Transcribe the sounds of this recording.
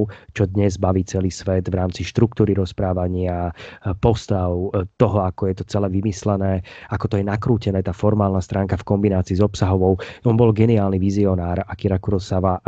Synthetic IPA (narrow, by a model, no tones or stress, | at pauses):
t͡ʃɔd̪ɲɛzbaʋiːt͡sɛliːsʋɛd̪ʋɾaːmt͡siʃt̪ɾukt̪uːɾiɾɔspɾaːʋaɲɪapɔst̪aʊt̪ɔɦɔakɔjɛt̪ɔt͡sɛlɛːʋimislɛnɛːakɔt̪ɔjɛnakɾuːcɛnɛːt̪aːfɔɾmaːlnast̪ɾʔaːŋkafkɔmbinaːt͡siːzɔpsaɦɔʋɔʊɔnbɔlɡɛniaːlniʋiziɔnaːɾakiɾakuɾɔsaʋa